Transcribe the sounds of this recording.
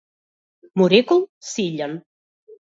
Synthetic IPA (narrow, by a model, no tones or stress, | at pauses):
muɾekulˠsiʎən